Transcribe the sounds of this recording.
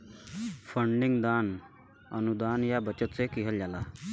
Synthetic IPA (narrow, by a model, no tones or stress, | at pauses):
fʰəɳɖɪŋɡd̪aːn | ənud̪aːnjabət͡ʃət̪sekiɦəljaːlaː